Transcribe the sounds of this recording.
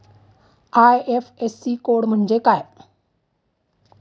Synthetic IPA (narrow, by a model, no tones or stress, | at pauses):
ajefʰesiːkoːɽm̤əɳd͡ʑekaːe